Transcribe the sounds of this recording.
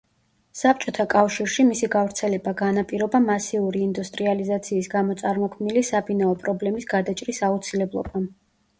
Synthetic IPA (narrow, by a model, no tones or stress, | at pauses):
sap̚ʰt͡ʃʼɔt̪ʰakʼafʃiɾʃimisiɡavɾt̪sʰɛlɛbaɡanapʼiɾɔbamasiuɾiːnd̪ust̪ʼɾializat̪sʰiːsɡamɔt̪sʼaɾmɔkʰmnilisabinaɔpʼɾɔblɛmisɡad̪at͡ʃʼɾisaut̪sʰilɛblˠɔ̰ba